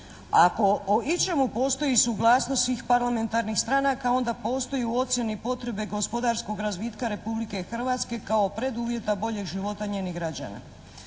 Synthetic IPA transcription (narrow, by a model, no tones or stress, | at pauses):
ako̞oit͡ʃe̞mupo̞ːst̪o̞jisuɡlˠaːsnosʋiːxpaɾlˠame̞nt̪aɾnixst̪ɾaːnakao̞nd̪apo̞ːst̪o̞juo̞t̪sje̞nipo̞t̪ɾe̞be̞ɡo̞spo̞d̪aɾsko̞ɡɾazʋiːt̪kaɾe̞publike̞xr̩ʋaːt̪ske̞kao̞pɾe̞d̪uːʋje̞t̪abo̞ʎe̞ɡʒiʋo̞t̪aɲe̞ːniɡɾad͡ʑa̰na̰